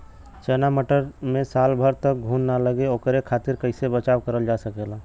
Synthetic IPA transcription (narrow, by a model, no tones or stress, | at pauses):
t͡ʃɛnaməʈəɾmesalbʱəɾt̪ək̚ɡʱunːaləɡeokɾekʰat̪iɾkəɪsebət͡ʃawkəɾəld͡ʒasəkela